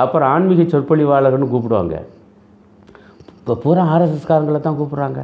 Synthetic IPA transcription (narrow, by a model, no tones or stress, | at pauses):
ɐpːɯɾ̃aːɳmɪɣɐt͡ʃːɔɾpɐɭiʋaːɭɐɣɐnːɯkuːp̬ːɪɽɯʋa̰ːŋɡɐ̰ | puːɾãːaːɾɐsɐskaːɾɐŋɡɐɭɐt̪ːãːkuːpːɪɽaːŋɡɐ̰